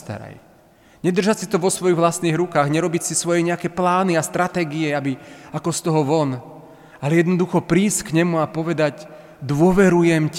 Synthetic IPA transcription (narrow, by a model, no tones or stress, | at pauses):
t̪a̰ɾa̰j | ɲɛd̪r̩ʒacsit̪ɔʋɔsʋɔjiɣʋlasniːɣɾukaːɣɲɛɾɔbicsisʋɔjɛɲɛakɛːplaːniast̪ɾat̪ɛːɡiɛabiakɔst̪ɔɦɔʋɔn | alɛjɛd̪nɔd̪uxɔpɾiːsckɲɛmuapɔʋɛd̪aɟ | d̪ʋʊɔʋɛɾujɛm